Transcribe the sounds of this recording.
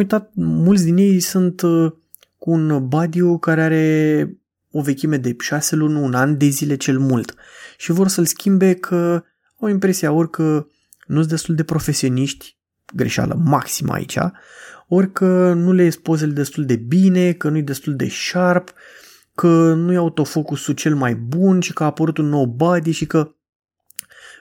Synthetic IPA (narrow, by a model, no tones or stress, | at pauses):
ujt̪at̪̚mults̬ʲd̪inje̞jsunt̪ | kuːnbad̪iukaɾeaɾe̞ | o̞ve̞kʲime̞d̪e̞ʃase̞lunʲunanʲd̪e̞zile̞t͡ʃe̞lmult̪ | ʃivo̞rsəlskʲimbe̞kʰə | awimpɾe̞siao̞rʲkə | nussd̪e̞st̪uld̪e̞pɾo̞fe̞sio̞niʃt̪ʲ | ɡɾeʃa̰lə̰maksima̰ḭt͡ʃʲa̰ | o̞rʲkənulespo̞zeled̪e̞st̪uld̪e̞bine̞kənujejd̪e̞st̪uld̪e̞̰ʃarp | kʰənujaut̪o̞fo̞kusut͡ʃe̞lmajbunʃikəaːpəɾut̪unːo̞wbad̪iʃikə